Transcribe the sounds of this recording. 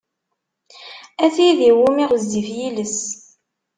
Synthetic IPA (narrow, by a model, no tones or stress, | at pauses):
æθiðiwumiʁəzd̪ifjiləs